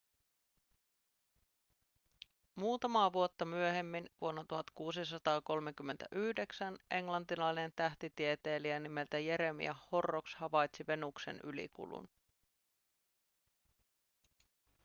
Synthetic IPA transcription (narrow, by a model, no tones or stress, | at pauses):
muːt̪ɑmɑːʋuo̞t̪ːɑmyøɦe̞mːinʋuonːɑt̪uɦɑt̪kuːsisɑt̪ɑːko̞lmek̟ymːent̪æ̰ʔyhde̞ksænʔe̞ŋlɑnt̪ilɑjne̞nt̪æht̪it̪iet̪e̞ːliænime̞lt̪æje̞ɾemḭæhːo̞rːokshɑʋɑjt̪siʋe̞nuksḛnʔy̰lḭkṵlṵn